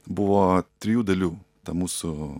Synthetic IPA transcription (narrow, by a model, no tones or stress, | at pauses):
bʊʋoːt̪ʲɾʲɪjuːd̪ɐlʲuːt̪ɐmuːsʊ